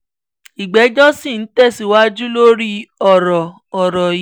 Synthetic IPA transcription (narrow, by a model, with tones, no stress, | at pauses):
i˨ɡ͡bɛ˨˦d͡ʒɔ˦si˦˨n̩˦tɛ˦˨si˨wa˦d͡ʒu˦lo˦ɾi˦ɔ˦˨ɾɔ˨ | ɔ˨ɾɔ˨˦